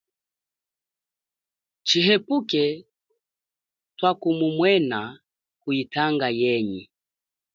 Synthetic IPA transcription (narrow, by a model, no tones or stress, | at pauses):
t͡ʃiɦɛpukɛ | twakumumwɛna | kuitaŋɡajɛɲi